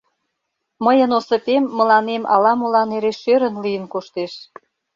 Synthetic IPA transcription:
məjə̆nosə̆pemːə̆lɑnemɑ̰lɑmolɑneɾeʃøɾə̆nlijənkoʃt̪eʃ

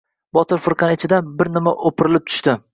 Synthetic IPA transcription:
bɒt̪ʰɪɾfʊɾqʰɑnɪt͡ʃʰɪd̪anbɪɾnɪmaʔopʰɪɾɪlɪp̚t̪ʰʊ̥ʃt̪ɪ

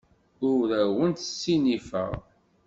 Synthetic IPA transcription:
ʊɾæwənt̪ə̥sːinifə̰ʁ

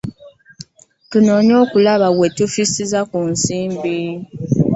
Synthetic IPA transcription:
tuno̞ːɲo̞ːkulaβawe̞tufisizakunsiːmbi

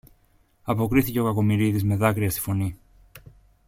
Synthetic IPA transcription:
ɐpo̞kɾiθice̞o̞kɐko̞miɾiðizme̞ðɐkɾiɐst̪i̥fo̞ni

